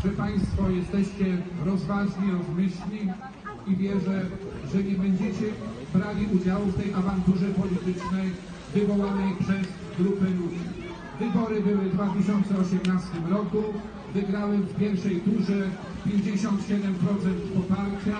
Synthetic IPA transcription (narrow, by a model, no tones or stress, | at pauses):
ʐ̥ɛpaj̃st̪fɔjɛst̪ɛɕt͡ɕɛɾɔzvaʐɲiɾɔzmʲɘɕɲi | ivʲjɛʐɛʐɛɲɛbɛɲd͡ʑet͡ɕɛ | bɾavʲiʔud͡ʑawuft̪ɛjʔavant̪uʐɛpɔlʲit̪ɘt͡ʂnɛj | vɘvɔwanɛjpʂɛz | ɡɾupɛlud͡ʑi | vɘbɔɾɘbɘwɘd̪vat̪ɘɕɔnt̪sɛɔɕɛmnast̪ɘmɾɔku | vɘɡɾawɛmfpʲjɛɾʂɛjt̪uʐɛ | pʲjeɲd͡ʑeɕɔnt̪ɕɛd̪ɛmpɾɔt̪sɛnt̪pɔpaɾt͡ɕa